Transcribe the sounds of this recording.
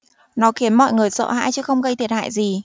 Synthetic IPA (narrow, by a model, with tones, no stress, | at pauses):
nɔ˨˦xi˨˦ənmɔ̰˧˨jŋɨ˨˩əjsə̰ː˧˨ɦa̰ː˧˥jt͡ɕɨ˨˦xə˧wŋ͡mɣə˧jt̪ʰi˨˩ət̚ha̰ː˧˨jzi˨˩